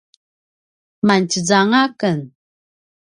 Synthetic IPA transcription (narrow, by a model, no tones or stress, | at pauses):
mant͡ɕəd͡zaŋakən